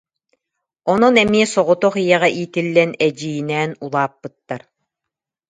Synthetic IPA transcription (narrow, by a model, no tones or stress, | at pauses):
ɔnɔnɛmiɛsɔʁɔt̪ɔχijɛʁɛʔiːt̪ilːɛnɛd͡ʑijinɛːnulˠaːpːɯt̪ːaɾ